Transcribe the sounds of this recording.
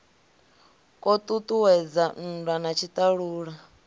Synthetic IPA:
kʼɔt̪ʼut̪ʼuwɛd͡zan̩danat͡ʃʰit̪ʼaɺuːɺa

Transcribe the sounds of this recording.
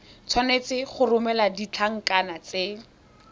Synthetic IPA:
t͡sʰwanet͡sɪχʊrʊmɛladit͡ɬʰaŋ̩kanat͡se

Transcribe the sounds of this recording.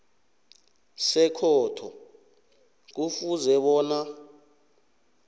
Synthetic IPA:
sɛkʰɔːtʰɔ̰ | k̬ufuzɛɓɔːna

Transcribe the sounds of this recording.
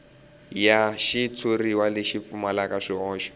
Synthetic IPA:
jaʃitʰuriwalɪʃip̪fumalakʼaʂiɔːʃɔ̥

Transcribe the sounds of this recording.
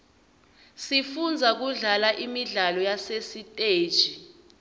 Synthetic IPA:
sifund͡zʱak̬uɮalaʔimiɮalɔjasesitʼeːd̥ʒ̥ʱi

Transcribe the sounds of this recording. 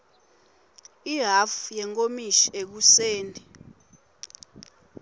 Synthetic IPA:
iɦafjɛŋkʼomiʃi̥ek̬useːndʱʼi

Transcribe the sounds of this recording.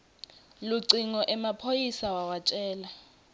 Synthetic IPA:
luǀiŋɔʔɛmapʰojisawawat͡ʃʼɛːla

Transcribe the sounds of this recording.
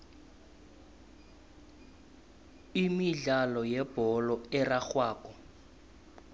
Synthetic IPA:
imiɮalɔjɛb̥ɔlɔɛraxwaːkɔ

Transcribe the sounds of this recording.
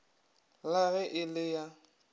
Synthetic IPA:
laɣɛʔɪlɪja

